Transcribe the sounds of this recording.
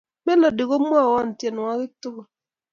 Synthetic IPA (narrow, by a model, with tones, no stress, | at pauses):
mɛ˦lɔ˨dɪ˨ko˦mwa˦˨wɔ˦˨n˨tjɛ˨n˨wa˦kɪ˦tʊ˦ɡo˨